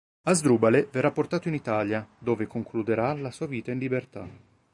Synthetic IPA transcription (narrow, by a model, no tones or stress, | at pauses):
azd̪ɾuːbaleverːapːort̪aːt̪oinit̪aːljad̪oːvekoŋklud̪eɾalasuaviːt̪ainlibert̪a